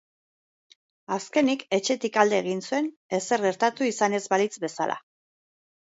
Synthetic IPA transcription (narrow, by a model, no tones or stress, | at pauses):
aske̞nike̞t͡ʃe̞t̪ikald̪e̞ːɣ̞insue̞n | e̞se̞ɾɣe̞ɾt̪at̪uisane̞zbalit͡sbe̞sala̰